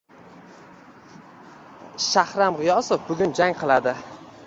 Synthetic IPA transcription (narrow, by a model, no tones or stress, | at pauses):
ʃahɾamʁɪjɒsofbʊɡʲʊnd͡ʒaŋqʰɨlˠad̪ɪ